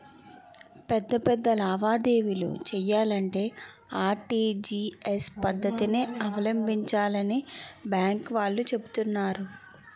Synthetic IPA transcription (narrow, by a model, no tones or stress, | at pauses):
pɛd̪ːɐpɛd̪ːɐlɐɐʋaːd̪e̞ːʋilo̰ːt͡ʃɛjːaːlɐɳʈe̞ː | aːɾʈiːd͡ʒiːespɐd̪ːɐt̪ineɐʋɐlɐmbʱiɲt͡ʃaːlɐnibjaːŋkʋaːɭːut͡ʃe̞but̪unːaːɾu